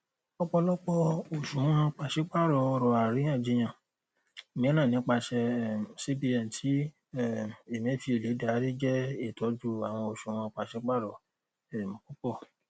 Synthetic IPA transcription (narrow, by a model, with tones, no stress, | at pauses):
ɔ˦k͡pɔ˧lɔ˦k͡pɔ˧o˨ʃũ˨˦w̃ɔ̃˧˦k͡pa˨ʃe˨˦k͡pa˦˨ɾɔ˨ɔ˧ɾɔ˨a˨ɾi˨˦ã˦˨d͡ʒi˧j̃ã˨ | mĩ˨˦nã˦˨nĩ˨˦k͡pa˧ʃɛ˧˨si˦bi˧ɛ˨tʰi˨˦ | ɛ˦˨e˨m̃˨˦˨fi˧˦e˨le˨˦da˨˦ɾi˦d͡ʒɛ˦e˦˨tɔ˨˦d͡ʒu˧a˨w̃ɔ̃˧o˨ʃũ˨w̃ã˧k͡pa˨ʃe˨˦k͡pa˦˨ɾɔ˨ | ɛ˨mã˨ku˦k͡pɔ˦˨